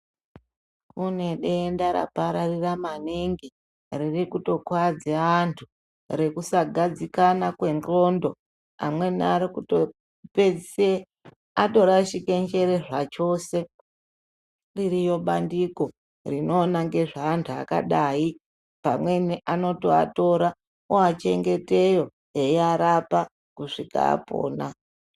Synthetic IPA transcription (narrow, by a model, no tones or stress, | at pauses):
kune̞ɗendaɾa̰paɾariramaniŋɡi | ririkuto̞kwad͡ziaantʰu | re̞kusaɡʱad͡zikanakwe̞nro̞ndo̞ | a̰mwe̞niaɾikuto | ped͡zise | ato̞ɾaʃike̞nd͡ʒe̞ɾe̞ʐat͡ʃo̞se̞ | ririjo̞ɓandiko̞ | rino̞ːnaŋɡe̞ʐaːntʰua̰ka̰ɗaːi | pa̰mwe̞niʔano̞toa̰to̞ɾa | oat͡ʃe̞ŋɡe̞te̞jo̞ | eiaɾapa | kuʂika̰a̰po̰ːna